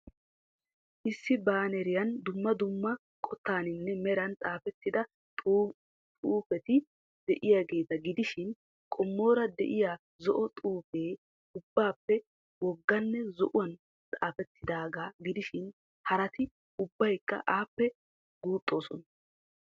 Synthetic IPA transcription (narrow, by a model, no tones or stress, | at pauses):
ʔɪsːɪbaːnɛɾɪjɐnd̪ʊmːɐd̪ʊmːɐ | kʼɔt̪ːaːnɪnːɛmɛɾɐnt͡sʼaːfɛt̪ːɪd̪ɐ | t̪ʼuːfɛt̪ɪ | d̪̥ɛʔɪjaɡe̞ːt̪ɐɡɪd̪ɪʃɪn | kʼɔmːo̞ːɾɐd̪ɛ̰ʔɪjaː | zɔʔɔt̪ʼuːfeː | ʊbːaːpːɛ | wɔɡːɐnːɛzɔ̰ʔʊwɐn | t͡sʼaːfɛt̪ʰːɪd̪aːɡaːɡɪd̪ɪʃɪn | hɐɾɐt̪ɪ | ʊbːɐjkːɐ̰ʔaːpːɛ | ɡ̥uːt̪ʼːo̞ːsɔnɐ